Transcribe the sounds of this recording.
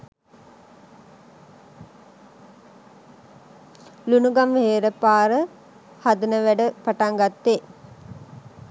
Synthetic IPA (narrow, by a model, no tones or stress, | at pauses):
lunuɡamheːɾəpaːɾə | had̪ənəʋæɖəpaʈaŋɡat̪ːe